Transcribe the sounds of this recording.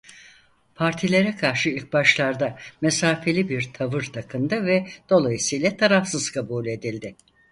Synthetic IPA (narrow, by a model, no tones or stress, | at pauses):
pʰaɾt̪ʰilʲe̞ɾɛkʰaɾʃɯilʲc̚baʃlˠaɾd̪amesaːfe̞lʲibiɾt̪ʰavɯɾd̪ʰakʰɯnd̪ɯvɛd̪̥o̞lˠajɯsɯjlʲˠat̪ʰaɾafsɯz̥kʰabuːlʲe̞d̪ilʲd̪ɪ